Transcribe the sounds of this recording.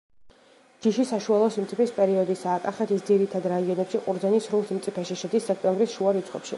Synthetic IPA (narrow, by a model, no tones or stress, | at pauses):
d͡ʒiʃisaʃualˠɔsimt̪sʼipispʼɛɾiɔd̪isaːkʼaχɛt̪ʰisd̪ziɾit̪ʰad̪ɾaiɔnɛpʃiqʼuɾd̪zɛnisɾulˠsimt̪sʼipʰɛʃiʃɛd̪isːɛk̚ʰt̪ʼɛmbɾisʃuaɾit̪sʰʼχʼɛ̰pʃḭ